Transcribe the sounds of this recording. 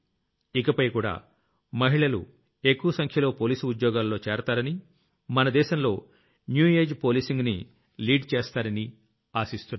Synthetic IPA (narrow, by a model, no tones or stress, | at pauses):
ikɐpɐjkuːɽa̰ː | mɐɦiɭɐlṵ | e̞kːuʋɐsɐŋkʰjɐlo̞ːpoːliːsuud̪jɔːɡaːlːo̞ːt͡ʃɛːɾɐt̪aːɾɐni | mɐnɐd̪ɛːʃɐmlo̞ː | njuːeːd͡ʒpo̞ːliːsiŋɡni | liːɖt͡ʃeːst̪aːɾɐni | aːsist̪unːa